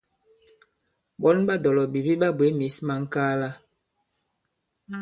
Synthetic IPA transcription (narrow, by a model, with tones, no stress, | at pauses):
ɓɔ˦nɓa˦dɔ˨lɔ˨bi˨bi˦ɓa˦be˨˦mi˨˦sma˨ŋ̩˦kaː˦la˦